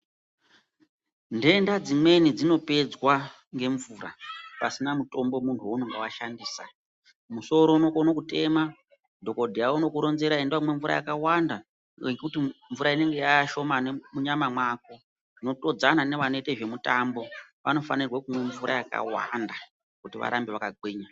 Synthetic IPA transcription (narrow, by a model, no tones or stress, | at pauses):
nde̞ndad͡zimwe̞nid͡zino̞pe̞d͡zwa | ŋɡe̞ɱvuːra̰pasinamuto̞mbo̞muntʰuonoŋɡewaʃandiːsa̰ | muso̞ɾo̞uno̞konokute̞ma | dʱo̞ko̞dʱijauno̞kuɾo̞nze̞ɾaendwamwe̞ɱvuɾa̰jakawanda | ekutiɱvuɾaine̞ŋɡejaʃo̞manemuɲamamwako̞ | ino̞to̞d͡zanane̞ʋanoite̞ʐe̞mutambo̞ʋano̞fanirwakumwe̞ɱvuɾa̰jaka̰wa̰nda | kutiʋa̰ɾambeʋakaɡʱweːɲa